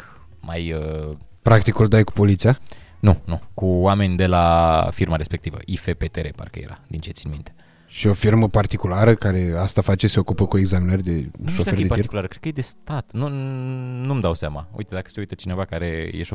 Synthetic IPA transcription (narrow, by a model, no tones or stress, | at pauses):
k | majə | pɾakt̪ikuld̪ajku̥po̞lit̪sia | nunukuwame̞nʲd̪e̞lafirmaɾe̞spe̞k̚t̪ivə̰ʔifepet̪eɾepa̰rkə̰jḛɾa̰d̪int͡ʃe̞t̪sinmint̪e̞ | ʃio̞firməpart̪ikulaɾəkaɾe̞ast̪afat͡ʃe̞seo̞kupəkue̞ɡzaminərʲd̪e̞ʃofedepat̪iɾikulaɾəkɾed̪kəjed̪e̞st̪at̪nu | numd̪awsamaṵjt̪e̞d̪akə̥seujt̪ət͡ʃine̞vakaɾe̞jeʃo